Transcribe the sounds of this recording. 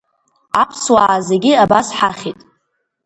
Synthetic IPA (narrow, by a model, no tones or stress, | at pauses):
apʰswaːzeɡʲɪabasħaχʲitʼ